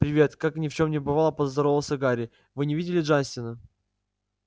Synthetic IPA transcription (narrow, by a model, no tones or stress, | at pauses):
pɾʲɪvʲe̞t̪kaknʲɪft͡ɕo̞mnʲɪbɨvalˠəpəzd̪ɐɾovəsʲəɡaɾʲɪ | vɨnʲɪvʲidʲɪlʲɪʐanʲsʲt̪ʲɪnə